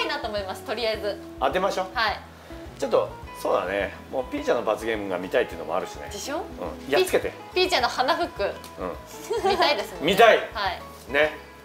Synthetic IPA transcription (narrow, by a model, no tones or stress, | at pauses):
inat̪o̞ːmo̞imasɨ̥t̪o̞ɾʲijaezɨ | ad̪emaɕo̞ːhai | t͡ɕo̞t̪ːoso̞ːd̪a̰ne | mo̞ːpʲiːt͡ɕãnːo̞bat͡sɨɡe̞ːmɯ̟ŋɡa̰mʲit̪ait̪ːeɯ̟nomo̞̰a̰ɾɯ̟ɕinḛd̪eɕoːɯ̰̃jat͡sɨ̥ke̞t̪e | pʲiːt͡ɕãnːo̞hanaɸɯ̟kːɯ̟ | ɯ̟̰̃ɴ | it̪aid̪e̞sɨnmʲit̪aihai | ne̞